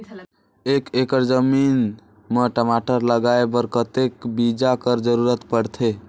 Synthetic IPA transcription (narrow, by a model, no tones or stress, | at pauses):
ekekəɾd͡ʒəmin | meʈəmaʈəɾləɡaebəɾkət̪ekbid͡ʒakəɾd͡ʒəɾuɾət̪pəɽt̪ʰe